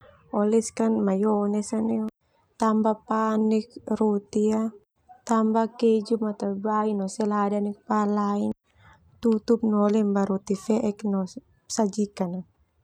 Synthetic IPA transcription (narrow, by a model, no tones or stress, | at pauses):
ɔlɛskanmajɔnɛsanɛɔ | t̪ambapanɛk̚rot̪ia | t̪ambakɛd͡ʒumat̪abainɔsɛladanɛk̚palain | t̪ut̪up̚nɔlɛmbaɾɔt̪ifɛʔɛknɔ | sad͡ʒikana